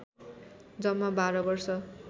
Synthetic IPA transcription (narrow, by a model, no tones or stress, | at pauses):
d͡zʌmːabaɾʌbʌrsʌ